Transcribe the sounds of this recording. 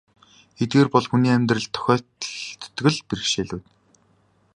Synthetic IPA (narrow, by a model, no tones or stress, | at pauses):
et̪̚ɡeːrpɔɮxuniːæmʲt̪rɘ̆ɮt̪ʰːɔ̥xʲœːt̪t̪ːɡɘ̆ɮpir̆kʃeːɮuːt̪